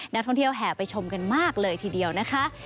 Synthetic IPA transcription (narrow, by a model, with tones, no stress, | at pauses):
na˦˥k̚t̪ʰɔ˥˩ŋt̪ʰi˥˩əwɦɛː˨˩pa˧jt͡ɕʰo˧mka˧nmaː˥˩k̚lɤː˧jt̪ʰiː˧di˧əwna˦˥kʰa˦˥ʔ